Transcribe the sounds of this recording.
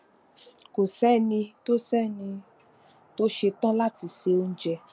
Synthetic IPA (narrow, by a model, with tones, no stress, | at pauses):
ko˨sɛ˦˨nĩ˧to˦sɛ˦˨nĩ˧ | to˦ʃe˧tã˦la˦ti˧˦se˧o˧n̩˦d͡ʒɛ˧